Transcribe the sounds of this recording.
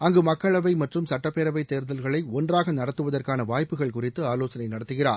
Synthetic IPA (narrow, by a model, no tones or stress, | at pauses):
ɐŋɡɯmɐkːɐɭɐʋɐɪmɐʈrɯmsɐʈːɐpːeːɾɐʋɐɪt̪ːeːɾðɐlɣɐɭɐɪɔndraːɣɐnɐɽɐt̪ːɯʋɐðɐrkaːnɐʋaːjpːɯɣɐɭkʊrɪt̪ːɯaːloːsɐnɐɪnɐɽɐt̪ːɯɣɪra̰ː